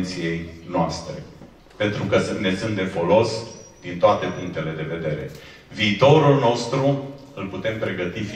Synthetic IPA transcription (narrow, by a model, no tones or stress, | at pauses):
t̪sije̞jnoast̪ɾe̞̰ | pe̞nt̪ɾukəsne̞sɨnt̪d̪efo̞lo̞sd̪̥int̪oat̪e̞puŋk̚t̪e̞le̞d̪e̞ve̞d̪e̞ɾe̞̰ | viːt̪o̞ɾulno̞st̪ɾu | ɨlput̪e̞mpɾe̞ɡət̪if